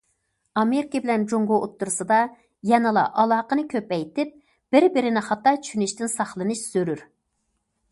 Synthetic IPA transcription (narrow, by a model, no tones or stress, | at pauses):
ɑmeɾɪkʲebɪlɛnd͡ʒoŋɡoʔot̪ːuɾsɨd̪ɑ | jɛnɨlˠɑ̰ʔɑlˠɑːqənɨkʲʰøpɛjt̪ɪp̚ | b̥ɪɾbɪɾɪnɪχɑt̪ːɑt͡ʃʰy̥ʃynɪʃt̪ɪnsɑχlˠɨnɨʃsøɾyɾ